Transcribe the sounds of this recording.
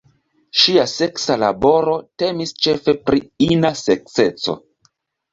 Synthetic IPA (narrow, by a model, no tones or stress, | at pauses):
ʃiase̞ksala̰bo̞ɾo̞te̞mist͡ʃe̞fe̞pɾiinasek̚t͡se̞t͡so̞̰